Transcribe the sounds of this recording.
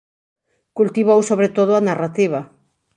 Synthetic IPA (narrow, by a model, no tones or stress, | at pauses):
kult̪iβ̞owsoβ̞ɾet̪oð̞oanarat̪iβ̞a